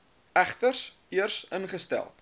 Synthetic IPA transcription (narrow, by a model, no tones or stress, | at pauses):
æχtərs | iərsənχəstɛ̰lˠ